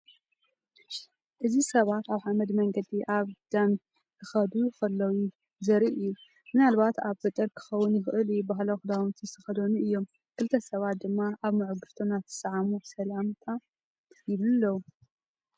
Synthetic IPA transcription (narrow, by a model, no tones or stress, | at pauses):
ʔɨzisɐβat̪aβħamɐd̪mɐŋɡɐd̪iʔaβd̪̥ɐm | kʰɨxɐd̪uxɐlːɐwu | zɐɾiʔɨjːu | mɨnalβat̪aβfɐt̪ʼːɨɾkʰɨ̥xɐwːʊnjɪxɨʔɨljubaɦloxɨd̪awnt̪ʰɨsɨxɐd̪onuʔɨjːo̞m | kʰɨlt̪ʰːɐsɐβat̪̚d̪ɨmːaʔaβmɨʕʊɡɨɾt̪ʰonat̪ʰɨ̥sʕamusɐlamt̪ʰa | jɪβlɨlːɐwu